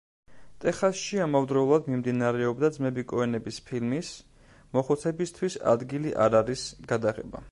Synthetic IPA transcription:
t̪ʼɛχasʃiamavd̪ɾɔulˠad̪mimd̪inaɾɛɔbd̪ad̪zmɛbikʼɔɛnɛbispʰilmis | mɔχɔt̪sʰɛbist̪ʰwisa̰d̪ɡiliʔa̰ɾaɾisɡ̥ad̪aʁɛ̰ba̰

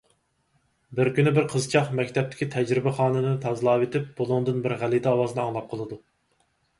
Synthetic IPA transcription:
bɪɾkʲynɪbɪɾqʰəzt͡ʃʰɑχmɛkʲt̪ʰɛp̚t̪ɪ̥kʲit̪ʰɛd͡ʒɾɪbɪχɑːnɨnɨt̪ʰɑzlˠɑːwet̪ʰɪp̚b̥olˠʊŋd̪ɨnbɪɾʁælid̪ɛɑwɑːzɨnɨɑŋlˠɑp̚qʰəlˠɨd̪u

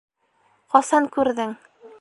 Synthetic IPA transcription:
qɒsɑŋkʉɾðɘŋ

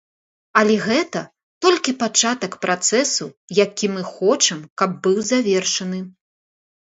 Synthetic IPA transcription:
ɐlʲɛɣɛt̪ɐ | t̪ɔlʲkʲipat͡ʂat̪ɐkpɾat̪sɛsujakʲimɨxɔt͡ʂɐmkɐb̚ːɨwzavʲɛrʂɐnɨ

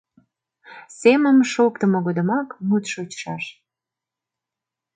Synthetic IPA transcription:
seməmʃokt̪əmoɣod̪əmɑkmut̪ʃot͡ɕʃɑʃ

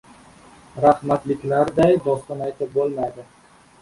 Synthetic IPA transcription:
ɾaχmat̪lɪkʲlaɾd̪ajd̪ɒst̪ɒnajt̪ʰɪp̚bolˠmajd̪ɪ

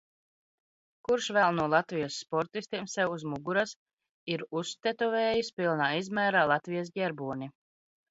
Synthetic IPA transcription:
kuɾʃvɛlˠnuɔlˠat̪vijɔsːpɔɾt̪ist̪iɛmsɛwuzmuɡuɾas | iɾust̪ɛt̪ɔveːjispilˠnaːizmæːɾaːlˠat̪vijasɡʲɛɾbuɔnʲi

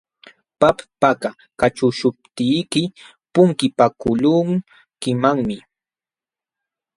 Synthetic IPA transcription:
pappaka | kat͡ʃʊʃʊp̚t̪ijkɪ | pʊŋkɪpakʊlʊŋ | kɪmaŋmɪ

